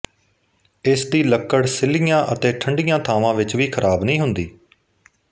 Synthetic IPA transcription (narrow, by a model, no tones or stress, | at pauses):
ɪsd̪iːləkːəɽsɪlijãːʔət̪eːʈʰəɳɖijãːt̪ʰaːʋãːʋɪt͡ʃʋiːkʰəɾʔaːbnĩːɦʊnd̪iː